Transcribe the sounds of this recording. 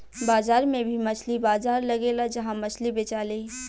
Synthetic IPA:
baːzaːɾmẽbʱimɐt͡ʃʰlibaːzaːɾlɐɡeːlad͡ʒɐɦãmɐt͡ʃʰlibɪt͡ʃaːle

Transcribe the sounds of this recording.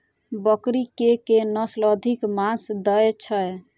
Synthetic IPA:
bəkɾikekenəsləd̪ʱikmãsd̪əjt͡ʃʰəj

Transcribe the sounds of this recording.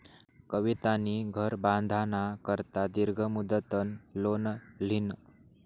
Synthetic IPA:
kəʋit̪aniɡʱəɾbãnd̪ʱanakəɾt̪ad̪iɾɡʱəmud̪ət̪ənlonl̤in

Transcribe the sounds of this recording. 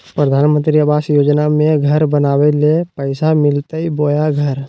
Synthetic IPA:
pɾəd̪ʱaːnmə̃nt̪ɾiəbaːsjoːd͡ʒnamẽɡʱɐɾbɐnaːʋelepəɪsamɪlt̪əiboːjaɡʱɐɾ

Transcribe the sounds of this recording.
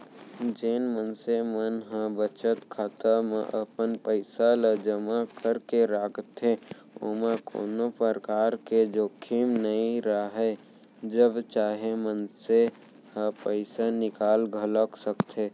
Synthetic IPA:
d͡ʒenmənsemənɦə̃bət͡ʃət̪kʰaːt̪əmḛʔəpənpəɪsaləd͡ʒəmakəɾkeɾaːɡʰt̪ʰe | o̰meko̰ːnopəɾəkaːɾked͡ʒokʰimnəĩɾəɦɛ | d͡ʒəbt͡ʃaːɦemənse | hə̃pəɪsanɪkaːlɡʱələksəkt̪ʰe

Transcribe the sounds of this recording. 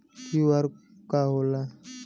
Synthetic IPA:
uwaɾ | kaɦola

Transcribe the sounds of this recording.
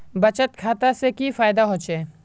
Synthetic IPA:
bɐt͡ʃət̪kʰaːt̪asekifaːɪd̪aɦoːt͡ʃeː

